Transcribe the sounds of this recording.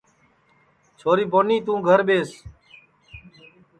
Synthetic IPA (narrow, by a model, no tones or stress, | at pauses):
t͡ʃʰoːɾiːboniːt̪ũːɡʱəɾbeːs